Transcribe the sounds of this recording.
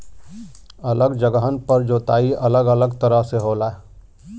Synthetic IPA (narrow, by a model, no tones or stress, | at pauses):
ələɡd͡ʒəɡəɦənpəɾd͡ʒoːt̪aːiʔələɡələɡt̪əɾəɦseɦoːla